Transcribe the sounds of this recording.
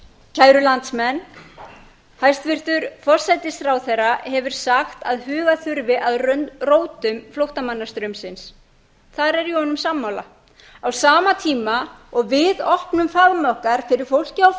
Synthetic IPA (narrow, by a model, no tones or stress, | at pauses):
cʰaːjɾʏlant̪smɛnː | hajst̪vɪr̥t̪ʏɾfɔ̥sajt̪ɪsθɾawθerːahɛvʏɾ̥saxt̪aðhʏːɣaθʏɾvɪʔaðrœnroːwt̪ʏmflowht̪amanːḁst̪ɾœmsɪns | θaɾɛɾihɔnʏmsamːawla̰ | awsaːmat̪ʰiːmaɔɣvɪðɔhpnʏmfaðmœhkaɾ̥fɪɾɪɾ̥fowl̥cɪaw